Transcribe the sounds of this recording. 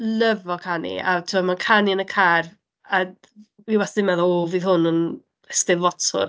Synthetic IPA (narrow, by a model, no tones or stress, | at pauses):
ləvɔkʰanḭatʰɪmɔmankʰaniənəkʰar | a | viwɛsðɪmɛðɔɔviðhʊnən | əstɪðvɔtʰʊ̰r